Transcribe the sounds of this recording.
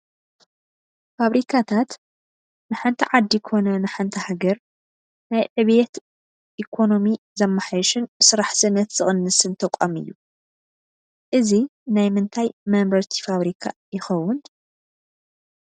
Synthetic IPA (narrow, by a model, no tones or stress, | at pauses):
faβɾikʰat̪ʰat̪ | nɨħant̪ʰiʕad̪ːikʰo̞nɐnɨħant̪ʰɐhaɡɐɾ | najʕɨβet̪ | ʔikʰo̞no̞mi | zɐmːaħajʃɨnsɨɾaħzɨnːɐt̪z̥ɨxʼɨnːɨsɨnt̪ʰɐkʼomɨ̰jːu | ʔɨzinajmɨnt̪ʰajmɐmbɐɾt̪ʰi̥faβɾikʰajɪxɐwːʊn